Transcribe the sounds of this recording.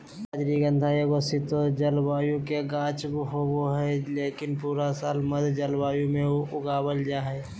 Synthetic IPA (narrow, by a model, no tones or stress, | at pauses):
aːd͡ʒɾiɡə̃nd̪ʱaeɡosɪt̪od͡ʒəlbaːjũkeɡãːt͡ʃbɦoboɦɛleːkɪnpuːɾasaːlməd̪ʱd͡ʒəlbaːjũmẽʊɡaːbəld͡ʒaːɦɛː